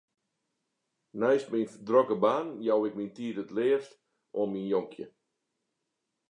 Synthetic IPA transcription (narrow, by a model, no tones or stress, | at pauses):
nɛjstmindrokəbaːnjawɪk̚mintiətətlɪəst | ʔominjoŋkʰjə̰